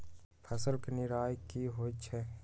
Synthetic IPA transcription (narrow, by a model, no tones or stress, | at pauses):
pʰɐsəlkenɪɾaːjkiɦoːt͡ʃʰɛː